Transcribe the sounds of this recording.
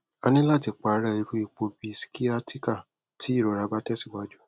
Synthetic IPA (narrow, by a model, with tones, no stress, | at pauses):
a˧nĩ˦la˦˨ti˨˧k͡pa˨˦ɾa˧i˧ɾu˦i˧˨k͡po˧bi˧˦si̥˨˦ki˦a˦ti˦ka˦˨ | tʰi˦i˦˨ɾo˨ɾa˧˦ba˦tɛ˦si˦˨wa˧˦d͡ʒu˦